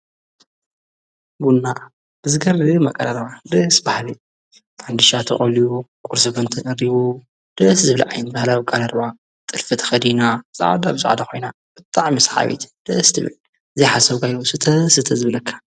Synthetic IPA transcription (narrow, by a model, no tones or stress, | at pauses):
ɡunːa | b̥ɨzɨɡɐrɨmɐkʼɐlɐɾbad̪ɐsbahli | fʰand̪ɨʃat̪ʰɨ̰χʼɐljukʼuɾsɨbɨnt̪ʰɨʔɐɾiβu | d̪̥ɐszɨβliʕa̰jnbahlawikʼɐlɐɾba | t̪ʼɨlfɨt̪ʰxɐd̪inazʼa̰wa̰d̪abɨzṵʕd̪axʰo̞jna | b̥ɨt̪ʼaʕmisħa̰βḭt̪ʰd̪̥ɐst̪ʰɨβɨ̰l | zijħasɐβɡajusɨt̪ʰɐsɨt̪ʰɐzɨβlɐkʰːḁ